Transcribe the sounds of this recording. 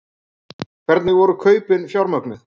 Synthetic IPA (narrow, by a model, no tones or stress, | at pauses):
kʰvɛɾt̪nɪɣvɔɾʏkʰœːɥpɪnfjawɾmœknʏ